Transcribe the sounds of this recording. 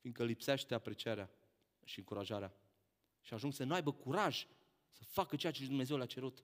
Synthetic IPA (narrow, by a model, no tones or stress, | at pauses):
fin̚kəlipseʃt̪e̞apɾe̞t͡ʃieɾea | ʃiɨŋkuɾaʒaɾea | ʃiaʒuŋɡsənuajbəkuɾaʒ | səfakət͡ʃeat͡ʃed̪umne̞zewleat͡ʃe̞ɾut̪